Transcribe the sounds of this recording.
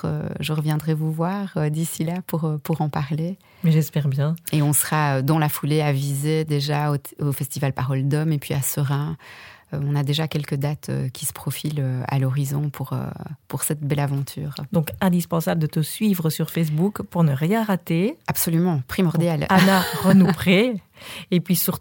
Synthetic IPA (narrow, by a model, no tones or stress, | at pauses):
ə̰ʒəʁəvjɛ̃d̪ʁɛvuvwaːʁød̪isilapuʁpuʁɑ̃paʁle | mɛʒɛspɛʁbjɛ̃eɔ̃səʁaød̪ɑ̃lafuleavized̪eʒaoofɛst̪ivalpaʁɔld̪ɔmepɥiasəʁɛ̃øɔ̃nad̪eʒakʲɛlkəd̪at̪ʰø̰kʲi̥sə̥pχɔfiløa̰lɔʁizɔ̃pʰuʁø̰puʁsɛt̪̚bɛlavɑ̃t̪ʰy̰ːʁd̪ɔ̃kɛ̃d̪ispɑ̃sabləd̪ət̪əsɥivʁəsyʁfes̬bukpuʁnəʁjɛ̃ʁat̪eapsɔlymɑ̃pχimɔʁd̪jalanaʁənupχe | epɥisyʁ